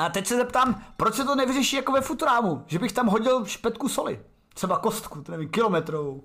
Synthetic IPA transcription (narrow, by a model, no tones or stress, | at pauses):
at̪ɛcsɛzɛp̚t̪aːmpɾot͡ʃsɛt̪onɛvɪrɛʃiːjakovɛfut̪uɾaːmuʒɛbɪxt̪amɦo̞ɟɪlʃpɛt̪̚kusolɪ̰ | t̪r̥ɛbako̞st̪kut̪onɛvimkɪlo̞mɛt̪ɾovow